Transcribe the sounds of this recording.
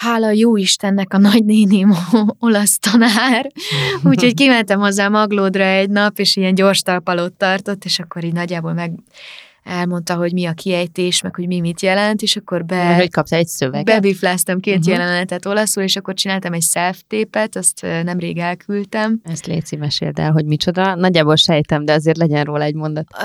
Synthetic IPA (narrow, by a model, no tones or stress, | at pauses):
haːlɒjoːiʃt̪ɛnːɛkɒnɒɟneːnimoolɒst̪ɒnaːruːcho̞ckimɛnt̪ɛmhozːaːmɒɡloːd̪rɒɛɟnɒpeːʃijɛnɟo̞rʃt̪ɒlpɒlot̪ːɒrt̪o̞t̪ːeːʃɒkːo̞ɾiːɟnɒɟːaːboːlmɛɡ | ɛlmo̞nt̪ɒɦo̞ɟmiɒkʰiɛjt̪eːʃmɛkho̞ɟmimit̪jɛlɛnt̪eːʃɒkːo̞rbɛhockɒpt̪ɔlɛcsøvɛɡbɛbiflaːst̪ɒmkeːt̪jɛlɛnnɛt̪ɛt̪o̞lɒsuːleːʃɒkːo̞rt͡ʃinaːlt̪ɒmɛɟsɛlft̪eːpɛt̪ɒst̪nɛmreːɡɛlkʰylt̪ɛmɛst̪lḛːt̪simɛʃḛːlt̪ɛ̰lɦo̞ɟmit͡ʃo̞d̪ɒnɒɟːaːbo̞lʃɛjt̪ɛmd̪ɛɒzeːrt̪lɛɟɛnroːlɒɛɟmo̞nd̪ɒt̪